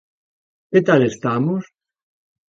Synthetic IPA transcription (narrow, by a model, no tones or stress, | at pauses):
ket̪alest̪amos